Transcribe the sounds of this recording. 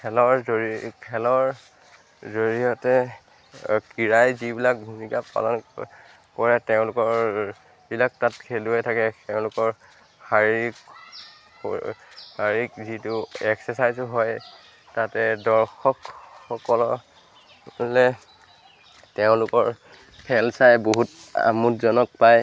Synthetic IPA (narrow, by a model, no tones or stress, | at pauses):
kʰɛlɔɹoikʰɛlɔɹ | zoɹiɔtɛ | kiɹajzibilak̚ɡʱumikapa̰lɔn | kɔɹɛteʊ̃lʊkɔɹ | bilak̚tatkʰeluɛtʰakɛkɛʊ̃lʊkɔɹ | haɹik | haɹikzitʊɛksɛsajzɔɦɔj | tatɛdɔɹxɔkxɔkɔlɔ | lɛ | teʊ̃lʊkɔɹ | pʰɛlsajboɦuta̰mutzɔnɔk̚paj